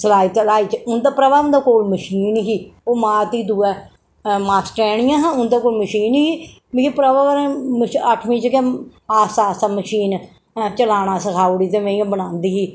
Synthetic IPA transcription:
səlaːiːt̪laːiːt͡ʃʊnd̪apɾəʋaːʊ̃nd̪aːkoːlməʃiːnɦiːoːmãːt̪iːd̪uːɛː | maːsʈɛːɽɪjãːɦãːʊnd̪aːkoːlməʃiːnɦiː | mikepɾəʋaːməʃəʈʰmĩːt͡ʃkeaːsaːsaːməʃiːn | t͡ʃəlaːɽ̃aːsəkʰaːuɽiːt̪ẽːmẽiãbəɽãːnd̪iːɦiː

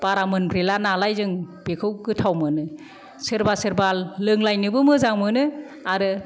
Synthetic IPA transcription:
b̥aɾamɯnbɾelanalajzɯŋb̥ekʰɯwɡɯtʰawmɯnɯ | sɯɾbasɯɾbalːɯŋlajnɯbɯmɯzaŋmɯnɯ | aɾɯ

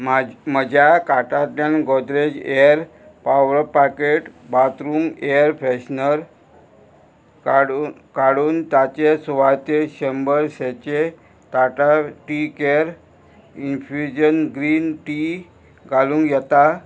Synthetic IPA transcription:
mməd͡ʑʱjakaʈat̪lanɡɔd̪ɾed͡ʑeəɾ | paʋəɾpaɾkeʈbat̪ɾuːmeəɾpʰɛɕnəɾ | ɽ | kaɽuːnt̪jat͡ɕesuʋat̪eɕembəɾset͡ɕe | t̪aʈaʈikeəɾ | infid͡ʑənɡɾiːnʈi | ɡʱalũːŋɡjɛt̪a

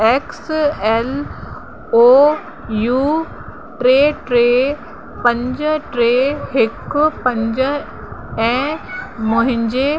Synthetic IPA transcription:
ɛksɛːl | o | juː | ʈɾeːʈɾeː | pɐ̃ɲd͡ʑʈɾeːɦɪkʊpɐ̃ɲd͡ʑ | ɛ̃ːmʊ̃ɦɪ̃ɲd͡ʑe

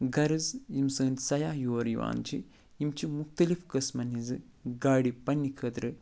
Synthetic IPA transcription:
ɡɐɾɨzjimsɐːnʲsɐjaːjoːɾjiʋa̰ːnt͡ʃḭ | imt͡ʃimukt̪ɐlifkɐsmɐnizɨ | ɡaːɽipɐnːikʰɐt̪ɾɨ

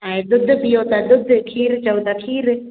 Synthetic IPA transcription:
aed̪ʊd̪ʱpijoːt̪ad̪ʊd̪ʱkʰiːɾt͡ʃɐwt̪akʰiːɾ

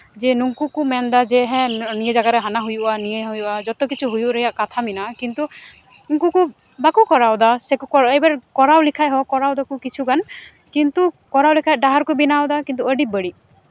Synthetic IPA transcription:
d͡ʒɛnuŋkukumɛnd̪ad͡ʒeɦɛ̃nijed͡ʒaɡaɾɛɦanaɦujuʔanijeɦujuʔad͡ʒɔt̪ɔkit͡ʃʰuɦujuʔɾəjaʔkat̪ʰaminakint̪uuŋkukubakukɔɾawd̪asekukɔejbaɾkɔɾawlikʰajɦɔkɔɾawd̪akukit͡ʃʰuɡan | kint̪ukɔɾawlikʰajɖaɦaɾkɔbinawd̪akint̪uəɖibəɽi

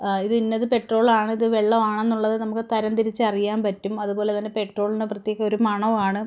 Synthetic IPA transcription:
iðɨinːɐðɨpe̞ʈro̞ːɭaːɳɨiðɨʋeɭːɐʋaːɳe̞nːuɭːɐðɨnɐmukːɨt̪ɐɾɐnd̪iɾit͡ɕːɨɐrijaːmpɐtːumɐðubo̞ːle̞t̪ɐnːepe̞ʈro̞ːɭinɨprɐt̪jeːɣɐmo̞ɾumɐɳɐʋaːɳɨ

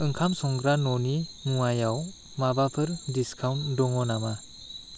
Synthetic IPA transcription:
ɯŋkʰamsɔŋɡɾanɔniŋuajaw | mabapʰɯɾdiskʰawndɔŋɔnama

